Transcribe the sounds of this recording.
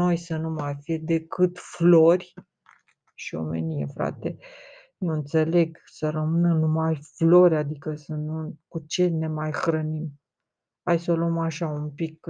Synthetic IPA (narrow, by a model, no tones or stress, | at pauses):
no̞jsənumajfijed̪e̞kɨt̪flo̞rʲ | ʃio̞̰me̞̰nijḛfɾa̰t̪e̞ | nuɨnt̪se̞le̞ɡsəɾəmɨnənumajflo̞ɾʲad̪ikəsənukut͡ʃe̞lʲne̞majxɾənim | hajsoluomaʃaumpik